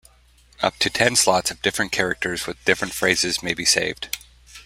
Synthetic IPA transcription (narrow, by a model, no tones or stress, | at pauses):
ʔʌp̚tʰɨtʰɛ̃nslɑtsʌvdɪfɹɨ̃nkʰɛɹɨk̚tʰə˞zwɨðdɪfɹɨ̃ntfɹeɪzɨzmeɪbiseɪvd̥